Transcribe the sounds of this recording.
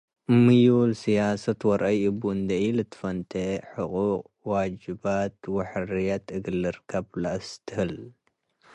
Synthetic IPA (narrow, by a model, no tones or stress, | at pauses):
mɨjulsijasɐt̪wɐɾʔɐjɨbund̪ɐjlɨt̪ʰɨ̥fɐnt̪ʰeħɨqʼuqʼ | wad͡ʒɨbat̪wɐħɾijat̪ʰɨɡɨlːɨɾkʰɐblaʔst̪ʰɨhɨl